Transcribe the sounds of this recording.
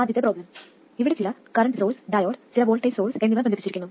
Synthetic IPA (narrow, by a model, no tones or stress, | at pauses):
aːd̪ʱjt̪ːeproːblɐm | iʋiɽet͡ɕilɐkɐɾɐɳɖɨsolsɖaːjoːʈt͡ɕilɐʋoːɭʈːɐjso̞ːlsenːiʋɐnːbɐnɐpːit͡ɕːiɾikʲːunːu